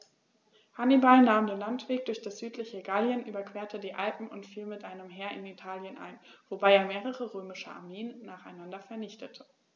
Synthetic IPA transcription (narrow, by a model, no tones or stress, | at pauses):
hanibalnaːmdeːnlantv̥eːk̚d̥ʊɐçd̥asz̥yːtʰlɪçəɡaljənʔyːbɐkv̥eːɐtʰədiːʔalpm̩ʊntfiːlmɪtʔaɪnəmɦeːɐʔɪnitʰaːljənʔa̰ɪnv̥obaɪeːɐmeːʁəʁəʁøːmɪʃəʔa̰ɐmeːənːaːχaɪnandɐfɛɐnɪçtʰətʰə̥